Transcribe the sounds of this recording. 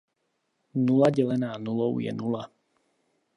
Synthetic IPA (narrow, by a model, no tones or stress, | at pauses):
nulaɟɛlɛnaːnulɔʊjɛ̰nula